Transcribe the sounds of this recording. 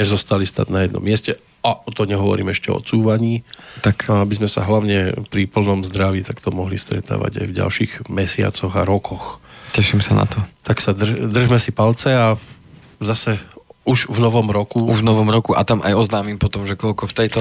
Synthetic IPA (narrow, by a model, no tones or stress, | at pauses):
ɛzɔst̪alist̪a̰d̪najɛd̪nɔ̰mːɪɛscɛ | aɔt̪ɔmɲɛɦɔʋɔ̰ɾiːmɛʃcɛ̰ɔ̰t͡suːʋaɲiːt̪akabizmɛsa̰ɦlaʊɲɛpɾipl̩nɔmzd̪ɾaʋiːt̪akt̪ɔmɔɦlḭst̪ɾɛ̰t̪a̰ːʋa̰ɟa̰jvɟa̰lʃiːɣmɛsɪa̰t͡sɔɣaɾɔkʰɔxcɛʃimsana̰t̪ɔt̪aksad̪rd̪r̩ʒmɛsipalt͡sɛa | zasɛuʒvnɔʋɔmɾɔkuuʒvnɔʋɔmɾɔkuʔa̰t̪amʔa̰jɔznaːmimpɔt̪ɔmʒɛkɔlkɔft̪ɛjt̪ɔ